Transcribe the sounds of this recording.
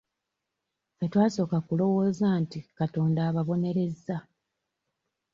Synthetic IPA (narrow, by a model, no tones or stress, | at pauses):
fetwaːso̞ːkakulo̞wo̞ːzantikato̞ːndaːβaβo̞ne̞ɾe̞zːa